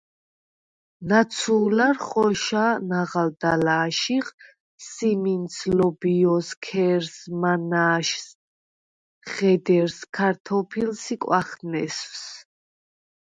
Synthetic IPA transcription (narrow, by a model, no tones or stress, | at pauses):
nat̪sʰuːlaɾχɔʃanaʁald̪alaːʃiχ | siminsʰlɔbiɔskʰɛɾsmanaːʃs | χɛd̪ɛɾskʰaɾt̪ʰɔpʰilsikʼwaχnɛsws